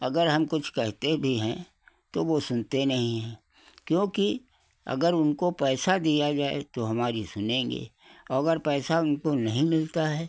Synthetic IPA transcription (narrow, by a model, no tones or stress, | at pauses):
ɐɡəɾɦɐmkʊt͡ʃʰkɛɦt̪ebʱiɦɛ̃ | t̪oʋosʊnt̪enɐɦĩɦɛ̃ː | kjõːki | ɐ̰ɡəɾʊnkopɛːsad̪ijad͡ʒaːḛt̪oɦɐmaːɾisʊnẽːŋɡḛː | ɔːɐɡəɾpɛːsaʊnkonɐɦĩmɪlt̪aɦɛː